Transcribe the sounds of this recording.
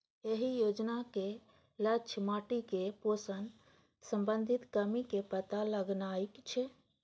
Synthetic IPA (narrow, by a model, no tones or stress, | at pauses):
eɦijod͡ʒnake | lət͡ʃʰmaʈikeposən | sə̃mbənd̪ʱit̪kəmikepət̪aləɡnaikt͡ʃʰɛ